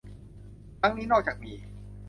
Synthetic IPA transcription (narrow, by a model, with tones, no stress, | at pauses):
ɾa˦˥ŋniː˦˥nɔː˥˩k̚t͡ɕaː˨˩k̚miː˨˦